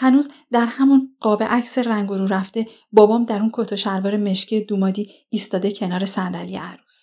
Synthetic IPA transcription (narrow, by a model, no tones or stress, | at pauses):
hænuːzd̪æɾhæmunɢ̥ɒːbe̞ʔæcseræŋɡoɾuːɾæft̪e̞ | bɒːbɒːmd̪æɾunkʰot̪ʰoʃæɾvɒːɾeme̞ʃcʰied̪umɒːd̪iː | st̪ɒːd̪e̞cʰe̞nɒːɾe̞sænd̪ælijḛʔæɾus